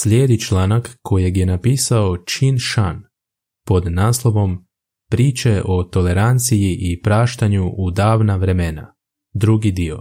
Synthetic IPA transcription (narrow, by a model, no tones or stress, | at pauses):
slʲjeːd̪it͡ʃlaːnakkːo̞je̞ɡje̞napiːsaot͡ʃinʃan | po̞d̪naːslˠo̞ʋo̞m | pɾiːt͡ʃe̞ʔo̞t̪o̞le̞ɾant̪sijiʔipɾaːʃt̪aɲuʔːd̪aːʋnaʋɾe̞mena̰ | d̪ɾuɡid̪io̞̰